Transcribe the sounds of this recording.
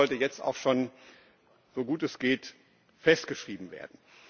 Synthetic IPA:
ɔltəjɛt͡sta̰ʊxʃoːn | z̥oɡuːtɛsɡ̥eːt | fɛstɡ̥əʃʁ̥iːbm̩vḛːɐdn̩

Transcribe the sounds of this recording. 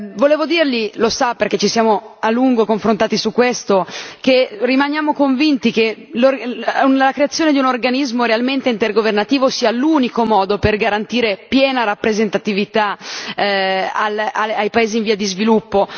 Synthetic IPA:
voleːvod̪iːrlilosaperk̟et͡ʃːisjaːmoalːuŋɡokoɱfɾõnt̪aːt̪isukːwest̪okerimanjaːmokoɱvint̪ikelorunlakɾeat̪sːjoːned̪iunorɡanizmoɾealment̪eint̪erɡovernat̪iːvosiːaluːnikomɔːd̪operɡaɾant̪iːɾepjɛːnaɾapːɾezent̪at̪ivit̪a | alaajpaeːziːɱviːad̪izvilupːo

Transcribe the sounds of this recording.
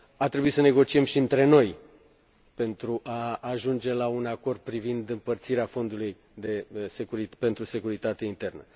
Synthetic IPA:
art̪ɾebuisəne̞ɡo̞t͡ʃie̞mʃiɨnt̪ɾe̞no̞j | pe̞nt̪ɾuʔaːʒund͡ʒe̞launako̞rd̪̚pɾivind̪ɨmpərt̪siɾeafo̞nd̪uluj | d̪e̞sekuɾipe̞nt̪ɾuse̞kuɾit̪at̪eint̪e̞rnə

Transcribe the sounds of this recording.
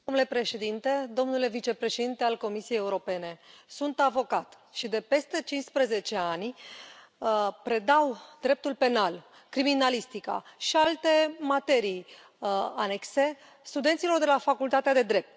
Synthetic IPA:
omnule̞pɾe̞ʃe̞d̪int̪e̞d̪o̞mnule̞vit͡ʃe̞pɾe̞ʃed̪int̪ealko̞misijejeuɾo̞pe̞ne̞sunt̪avo̞kat̪ | ʃid̪e̞pe̞st̪e̞t͡ʃinspɾəze̞t͡ʃe̞anʲ | pɾe̞d̪awd̪ɾep̚t̪ulpe̞nal | kɾiminalist̪ika̰ʃialt̪e̞mat̪e̞ɾij | ane̞kse̞ | st̪ud̪ent̪silo̞rd̪e̞lafakult̪at̪ead̪e̞d̪ɾe̞p̚t̪

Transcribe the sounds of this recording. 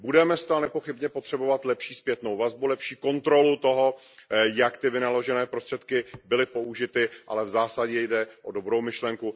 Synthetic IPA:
budɛmɛst̪anɛpo̞xɪbɲɛpo̞t̪r̝̥ɛbo̞vat̪lɛpʃiːspjɛt̪no̞wvazbulɛpʃiːko̞nt̪ɾo̞lut̪o̞ɦo̞ | jakt̪ɪvɪnalo̞ʒɛnɛːpɾo̞st̪r̥ɛt̪kɪbɪlɪpo̞ʔuʒɪt̪ɪʔa̰lɛvzaːsaɟɛjdɛʔodo̞bɾo̞wmɪʃlɛŋku

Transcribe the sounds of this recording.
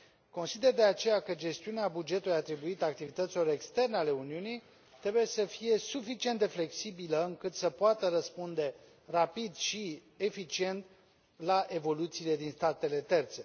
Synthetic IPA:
ko̞nsid̪e̞rd̪e̞at͡ʃe̞jakəd͡ʒe̞st̪iuneabud͡ʒe̞t̪uluijat̪ɾibuit̪əak̚t̪ivit̪ət̪silo̞ɾe̞kst̪e̞rneale̞uniunij | t̪ɾe̞buje̞səfije̞sufit͡ʃie̞nt̪d̪e̞fle̞ksibiləɨŋkɨt̪səpoat̪əɾəspund̪e̞ | rapid̪ʃi | e̞fit͡ʃie̞nt̪ | laʔe̞vo̞lut̪siːle̞d̪inst̪at̪e̞le̞t̪e̞rt̪se̞

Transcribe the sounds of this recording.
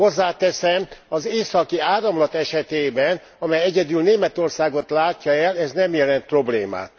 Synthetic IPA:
o̞zːaːt̪ɛsɛmɒzeːsɒkiaːɾɒmlɒt̪ɛʃɛt̪eːbɛn | ɒmɛjɛɟɛd̪yːlneːmɛt̪o̞rsaːɡo̞t̪laːcːɒɛlɛznɛmjɛlɛnt̪̚pro̞blḛːma̰ːt̪

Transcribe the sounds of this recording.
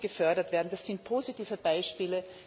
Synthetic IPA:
ɡ̥əfœɐdɐtv̥eːɐdn̩d̥asːɪnt̚pʰoːzitiːvəbaɪʃpiːlə

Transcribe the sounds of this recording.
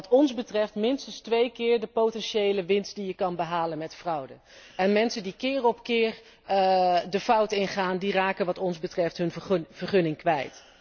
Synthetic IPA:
ɑtɔnzbətrɛftmɪnstənstʋejkɪːɹdəpowtɛnʃejləʋɪnstdijəkɑnbəɦaːlənmɛtfrʌwdə | ɛnmɛnsəndikɪːrɔpkɪːr | dəfʌwtɪnχaːndiraːkənʋɑtɔnzbətrɛftɦɵnv̥ərχɵnɪŋkʋɛjt

